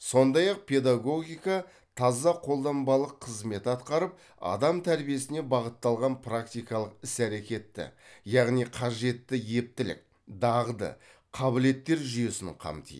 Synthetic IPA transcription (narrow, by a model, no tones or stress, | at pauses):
so̞nd̪ɑjɑq̚pʰe̞d̪aɡo̞ɡʲijkɑ | t̪ʰɑzɑqʰo̞lˠd̪ɑnbɑlˠəqʰːəzme̞t̪ɑt̪qɑɾəp̚ | ɑ̰d̪ɑmt̪ʰæɾbije̞sɪne̞bɑʁət̪ːɑlˠʁɑnpʰrak̚t̪ijkɑlˠəqɪsæɾe̞kʲe̞t̪ːɪ̰jɑʁnijqʰɑʒe̞t̪ːɪje̞p̚t̪ɪlɪ̰k̚ | d̪ɑʁd̪ə̰ | qʰɑbɪle̞t̪ːe̞ɾʒʏje̞sɪŋqʰɑ̰mt̪ḭ